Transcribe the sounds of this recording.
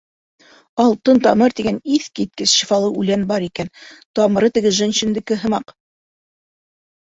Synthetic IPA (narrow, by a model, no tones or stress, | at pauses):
ɑlˠt̪ɤnt̪ɑmɤɾt̪iɡæniθkit̪̚kɘsʃifɑlˠɤʉlænbɑɾikænt̪ɑmɤ̆ɾɤt̪ɘ̆ɡɘʒɘ̆nɕɘ̆nd̪ɘ̆kɘɦɤ̆mɑq